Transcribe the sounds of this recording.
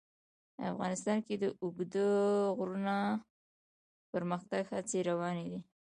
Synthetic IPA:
a̰fɣɑnɪst̪ɑnked̪əʔʊɡd̪əɣɾuna | pəɾməxt̪aɡhat͡seɾawɑned̪i

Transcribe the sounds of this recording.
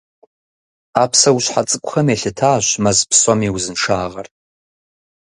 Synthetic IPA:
apʰsawʃʷħat͡sʼɨkʷʼχameɬɪtʰaːʃʷmazpʰsomiwuzɨnʂaːʁartʼ

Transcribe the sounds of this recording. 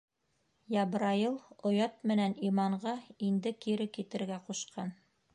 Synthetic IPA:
jɑbɾɑjɤlˠŏjɑt̪mɘ̆nænimɑɴɢɑind̪ɘkiɾɘkit̪ɘ̆ɾɡæquʃqʰɑn

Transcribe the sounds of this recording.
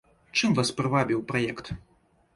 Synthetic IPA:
t͡ʂɨmvaspɾɨvabʲiwpɾajɛkt̪

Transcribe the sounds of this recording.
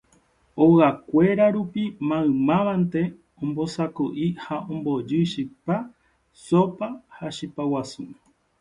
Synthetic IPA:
oɣakʷe̞ɾaɾupimãɨ̃mãʋãnt̪e̞ | õmbo̞sakoʔihaʔõmbod͡ʒɨʃipa | sopahaʃipawasu

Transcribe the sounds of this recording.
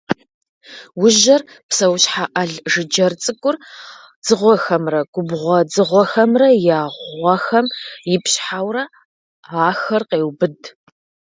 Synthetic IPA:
wʊʒɐr | psɐwɕħaʔɐɮʒɨd͡ʒɐrt͡sʼɨkʷʼʊr | d͡zɨʁʷɔxɐmrɐɡ̥ʷʊbʁʷɔd͡zɨʁʷɔxɐmrɐjaːʁʷɐxɐmjɪpɕħawrɐ | aːxɐrqeːwbɨd

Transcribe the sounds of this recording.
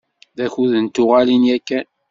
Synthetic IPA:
ðæçuðənt̪ʊʁalinjækːæ

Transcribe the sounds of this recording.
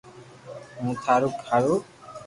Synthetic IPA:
mũt̪ʰaɾukʰaɾu

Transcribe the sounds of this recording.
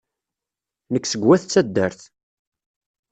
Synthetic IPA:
nəkːsəɡwæθt͡sːæd̪ːəɾθ

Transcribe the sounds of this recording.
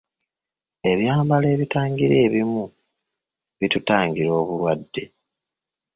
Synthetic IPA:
e̞βjaːmbale̞ːβitaːŋɡiɾe̞ːβimu | βitutaːŋɡiɾo̞ːβulwadːe̞

